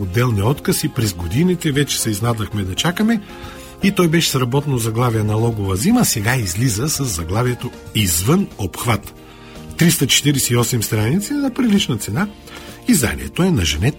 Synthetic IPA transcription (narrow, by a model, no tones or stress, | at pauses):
od̪ːɛlˠniɔt̪kəsipɾɛzɡod̪init̪ɛvɛt͡ʃɛ̥sɛiznad̪əxmɛd̪ɐt͡ʃakəmɛ | it̪ɔjbɛʃɛ̥sɾɐbɔt̪ɛnozɐɡlˠavijɛnɐlˠɔɡovɐziməsɛɡaizlizəsɐzːɐɡlˠaviɛt̪oizvənopxvat̪ː | ɾist̪ɐt͡ʃɛ̥t̪iɾɛsɛiɔsɛmst̪ɾanit̪sinɐpɾilit͡ʃnɐt̪sɛna | izd̪a̰nʲḭɛ̰t̪oɛnɐʒɛnɛt̪